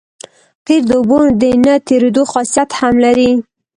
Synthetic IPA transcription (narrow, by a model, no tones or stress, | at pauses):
qiɾd̪əbod̪ənət̪eɾed̪oxɑsijat̪hamlaɾi